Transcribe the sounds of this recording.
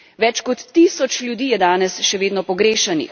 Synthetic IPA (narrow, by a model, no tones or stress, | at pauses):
ʋɛt͡ʃkɔt̪ːiːsɔt͡ʃlʲjud̪iːjɛd̪aːnɛsʃɛʋeːd̪nɔpɔɡɾeːʃɛnḭx